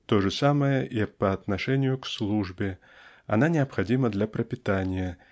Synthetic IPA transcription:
t̪oʐɨsaməjəʔipɐɐt̪nɐʂɛnʲɪjʊkslˠuʐbʲɪ | ɐnanʲɪɐpxɐdʲiməd̪lʲɐpɾɐpʲɪt̪anʲɪjə

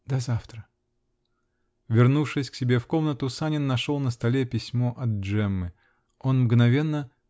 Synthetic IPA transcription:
d̪̥ɐzaft̪ɾə | vʲɪrnufʂɨsʲksʲɪbʲe̞fko̞mnət̪ʊsanʲɪnːɐʂo̞lˠnəst̪ɐlʲepʲɪsʲmo̞ʔɐd̪̚ʐɛmːɨ | o̞nmɡnɐvʲe̞nːə

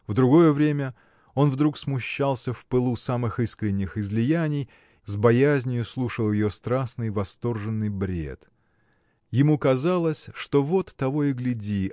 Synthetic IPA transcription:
vd̪ɾʊɡo̞jəvɾʲemʲə | o̞nvd̪ɾuksmʊɕːalˠsʲəfpɨlˠusamɨxɨskɾʲɪnʲːɪxɪzlʲɪjænʲɪj | zbɐjæzʲnʲɪjʊslˠuʂəlˠjɪjost̪ɾasnɨjvɐst̪o̞rʐɨnːɨjbɾʲe̞̰t̪ | jɪmukɐzalˠəsʲʂt̪o̞vo̞t̪ːɐvo̞ɪɡlʲɪdʲi

